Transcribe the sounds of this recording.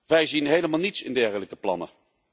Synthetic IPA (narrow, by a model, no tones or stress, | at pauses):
ʋɛjzinɦejləmaːlˠnitsɪ̰ndɛɹχələkəplɑ̰nə̰